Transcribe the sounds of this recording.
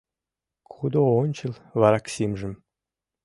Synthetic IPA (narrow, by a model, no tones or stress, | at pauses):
kʰud̪oonʲt͡ɕə̆lˠβɑɾɑksimʒə̆m